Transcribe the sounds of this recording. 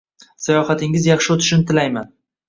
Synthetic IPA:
sajɒhat̪ʰɪŋɪzjɑχʃɪot̪ʰɪ̥ʃɪnɪt̪ʰɪlajman

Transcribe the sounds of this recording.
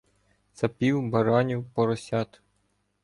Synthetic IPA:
sɐpʲiwbɐɾɑnʲiwpɔɾɔsʲɑt̪

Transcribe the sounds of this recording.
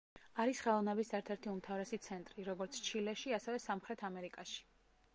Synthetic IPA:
aɾisχɛlˠɔvnɛbisɛɾt̪ʰɛɾt̪ʰiumt̪ʰavɾɛsit̪sʰɛnt̪ʼɾiɾɔɡɔɾt̪sʰt͡ʃʰilɛʃiasɛvɛsamχɾɛt̪ʰamɛɾikʼaʃi̥

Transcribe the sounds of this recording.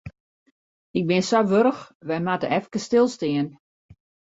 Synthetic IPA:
ɪk̚bɪnsɔʋøɾəxʋɛjmatə̰ɛfkəstɪlˠstɪən

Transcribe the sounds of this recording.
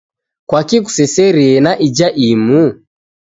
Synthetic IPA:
kwakik̬u̥sɛsɛɾiɛnaʔid͡ʒaʔimu

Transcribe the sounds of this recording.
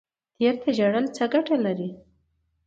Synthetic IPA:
t̪eɾt̪aʒaɽəlt͡saɡaʈalaɾi

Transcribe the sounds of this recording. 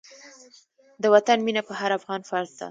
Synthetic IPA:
d̪əwat̪anminapəɦaɾafɣɑnfɑɾzd̪a̰

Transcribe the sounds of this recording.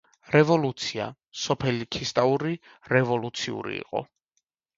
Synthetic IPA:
ɾɛvɔlut̪sʰia̰ | sɔpʰɛlikʰist̪ʼauɾi | ɾɛvɔlut̪sʰiṵɾḭḭqʼɔ̰

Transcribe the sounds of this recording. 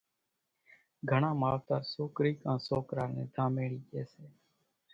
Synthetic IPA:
ɡʱəɳãːmaːʋt̪aːɾsoːkɾiːkãːsoːkɾaːɾnẽːd̪ʱaːmeːɽiːɗeːseː

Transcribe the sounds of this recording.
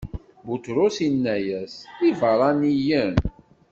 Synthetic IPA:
but̪ɾʊsinːæjæsivəɾˤɑnijən

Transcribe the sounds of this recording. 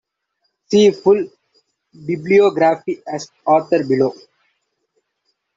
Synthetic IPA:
siːfʊl | biblioːɡɾæːfiæs | ɔːɾt̪əɾbɪloː

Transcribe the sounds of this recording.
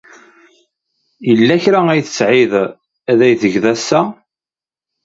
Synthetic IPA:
jəlːæçɾææjθə̥sʕɪð | æðæjθəʝðæsːæ

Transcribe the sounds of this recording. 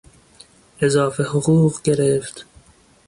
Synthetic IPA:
ʔezɒːfehoɣuːɢɡe̞ɾeft̪

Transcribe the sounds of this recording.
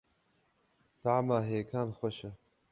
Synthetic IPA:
d̪̥aʕmaːɦeːkʰaːnχʷɐʃɐ

